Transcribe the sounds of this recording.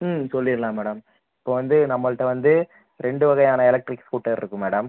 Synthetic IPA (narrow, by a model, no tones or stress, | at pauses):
msɔlːɪɾlaːmːɛːɽɐm | ɪpːoːʋɐnd̪ɯnɐmːɐɭɯʈːɐʋɐnd̪ɯ | ɾɛɳɖɯʋɐɣɐjaːnɐɛlɐk̚ʈɾɪksuːʈːɐlɪ̰ɾɯkːɯmːɛːɽɐm